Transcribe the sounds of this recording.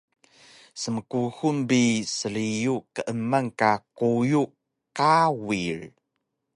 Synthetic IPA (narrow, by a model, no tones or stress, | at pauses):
səməkuxunbisəɭijukəʔəmaŋkaquju | kawir